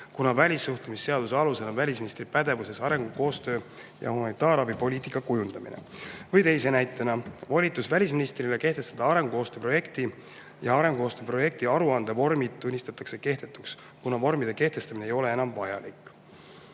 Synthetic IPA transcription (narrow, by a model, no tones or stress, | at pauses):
kunɑvælʲisːuht̪lemisːe̞ɑd̪̥useɑluse̞nɑvælʲisminist̪ripæd̪̥e̞vuse̞sɑɾe̞ŋɡ̥uko̞ːst̪ø̞ː | jɑ̰humɑnit̪ːˑɑːɾɑbipo̞lʲiːt̪ikːˑɑkujund̪̥ɑmḭnḛvɤjt̪e̞jse̞næjt̪ːˑenɑvɑlʲit̪ːˑusvælʲis̬minist̪rile̞ke̞ht̪e̞st̪ɑd̪̥ɑɑɾe̞ŋɡ̥uo̞ːst̪øːpro̞je̞kt̪i | jɑɑɾe̞ŋɡuo̞ːst̪øːpro̞je̞k̚t̪iɑɾuɑnd̪̥evo̞rmid̪̥̚t̪ːunʲːist̪ɑt̪ːˑɑkse̞ke̞ht̪e̞t̪ːˑuks | kunɑvo̞rmid̪̥e̞ke̞ht̪e̞st̪ɑminejo̞le̞e̞nɑmvɑjɑ̰likː